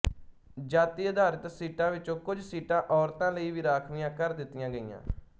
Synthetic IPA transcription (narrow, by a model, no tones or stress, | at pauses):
d͡ʒaːt̪iːd̪ʱaːɾət̪siːʈãːʋɪt͡ʃõːkʊd͡ʒsiːʈãːʔɔːɾt̪ãːləiːʋiːɾaːkʰmɪjãːkəɾd̪ɪt̪ːɪjãːɡəḭːã̰ː